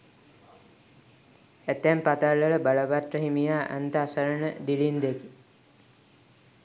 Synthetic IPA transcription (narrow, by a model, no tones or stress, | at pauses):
æt̪æmpat̪alːələbaləʋat̪rəɦimijaːʔa̰nt̪əasəɾənəd̪ilind̪eki̥